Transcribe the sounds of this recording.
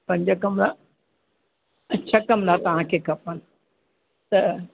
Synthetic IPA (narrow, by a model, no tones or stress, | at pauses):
pɐ̃ɲd͡ʑəkɐmla | t͡ɕʰɐkɐmlat̪ɐʋ̤ãkʰeːkʰɐpənɪ | t̪ɐ